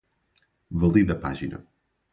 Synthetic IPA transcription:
vəlˠiðəpa̰ʒinə̰

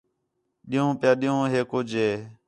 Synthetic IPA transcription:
ɗɪjõːpɪjaːɗɪjõːɦeːkoːd͡ʒeː

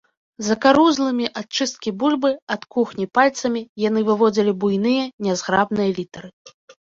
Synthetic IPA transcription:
zɐkaɾuzlˠɨmʲiʔat̚t͡ʂɨst̪̚kʲibulʲbɨɐt̪kuxnʲipalʲt̪sɐmʲijanɨvɨvɔd͡zʲilʲibujnɨjɐnʲazɣɾabnɨjɐlʲit̪ɐɾɨ

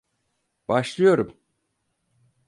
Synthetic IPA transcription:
b̥aʃlˠɯjo̞ɾum

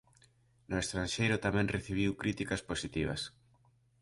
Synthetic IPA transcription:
nʊest̪ɾanʃejɾʊt̪amɛ̃ŋreθiβ̞iwkɾit̪ikɐsposit̪iβ̞ɐ̰s

